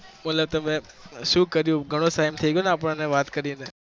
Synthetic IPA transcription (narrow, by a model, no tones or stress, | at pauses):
mət̪ləb̚t̪ɐmẽ | ʃũːkəɾjũɡʱəɽ̃osaːmt̪ʰəiɡjonɛaːp̬ɽ̃ãneʋaːt̪kəɾĩne